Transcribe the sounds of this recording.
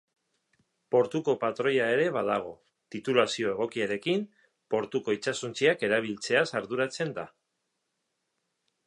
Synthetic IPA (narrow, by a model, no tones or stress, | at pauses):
po̞ɾt̪uko̞pat̪ɾo̞jae̞ɾe̞β̞að̞aɣ̞o̞ | t̪it̪ulasio̞e̞ɣ̞o̞kiaɾe̞kim | po̞ɾt̪uko̞it͡sasunt͡siake̞ɾaβ̞ilt͡se̞asaɾðuɾat͡se̞nd̪a